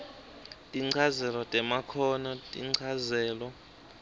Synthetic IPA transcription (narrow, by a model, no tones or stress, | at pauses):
tʼiŋ͡ǀʰazɛlɔtʼɛmakʰɔnɔtʼḭǀʰazɛːlɔ